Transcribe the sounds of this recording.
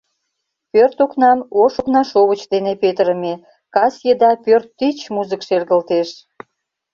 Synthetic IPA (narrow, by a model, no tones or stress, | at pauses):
pørt̪oknɑmoʃoknɑʃoɣət͡ɕd̪enepet̪əɾəme | kɑsʲjed̪ɑpørt̪ːit͡ɕmuzəkʃerɣəlt̪eʃ